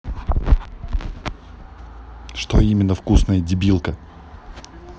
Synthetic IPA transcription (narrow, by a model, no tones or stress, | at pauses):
ʂt̪oimʲɪnːəfkusnəjədʲɪbʲilˠkə